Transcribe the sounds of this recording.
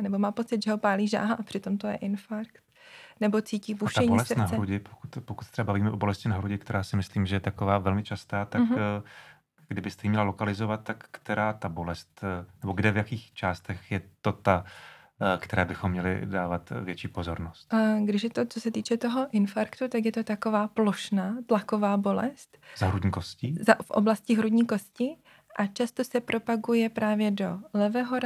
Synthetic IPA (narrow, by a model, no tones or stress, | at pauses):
nɛbo̞maːpo̞t͡sɪt̪ʒɛɦo̞paːliːʒa̰ːɦaʔapr̥ɪt̪o̞mt̪ojɛ̰ʔɪnfaɾkt̪nɛbo̞t͡siːciːvuʃaɛɲiolɛst̪naɦɾuɟɪpokut̪pokut̪sɛɾɛbabaviːmɛʔobo̞lɛscɪnaɦɾuɟɪkt̪ɛɾaːsɪmɪsliːmʒɛjɛt̪akovaːvɛlmɪt͡ʃast̪aːt̪ak | ɡdɪbɪst̪ɛjimɲɛlalo̞kalɪzovat̪̚t̪ːakːt̪ɛɾaːt̪abo̞lɛst̪nɛbo̞ɡdɛvjakiːxt͡ʃaːst̪ɛxjɛt̪ot̪a | kt̪ɛɾaːbɪxomːɲɛlɪ̰daːvat̪vjɛt͡ʃiːpo̞zo̞ɾnost̪ɡdɪʃjɛt̪ot͡sosɛt̪iːt͡ʃɛt̪oɦo̞ʔɪnfaɾkt̪ut̪akjɛt̪o̞t̪ako̞vaːploʃnat̪lakovaːbo̞lɛst̪zaɦɾudɲiːkoscizafʔo̰blascɪɦɾudɲiːko̞scɪ | ʔat͡ʃast̪osɛpɾʔo̞paɡujɛpɾaːvjɛdo̞lɛvɛːɦoɾa